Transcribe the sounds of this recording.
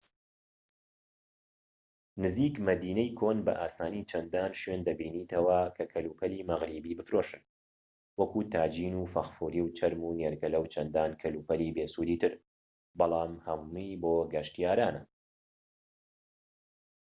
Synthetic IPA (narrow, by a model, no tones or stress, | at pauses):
nɨziːkmɐd̪iːnɛjkʰoːnbɐ̰ʔaːsaːnit͡ʃʰɐnd̪aːnʃwend̪ɐbiːniːt̪ʰɐwɐkʰɐkʰɐluːpʰɐliːmɐɣɾibiːbɨfɾoːʃɨn | wɐkut̪ʰaːd͡ʒiːnufɐxfuːɾiːwt͡ʃʰɐɾmuːneɾɡɐlɐwt͡ʃʰɐnd̪aːnkʰɐluːpɐliːbesuːɾiːt̪ɨɾ | bɑlˠɑːmhɐmmijboːɡɐʃt̪ijaːɾaːnɐ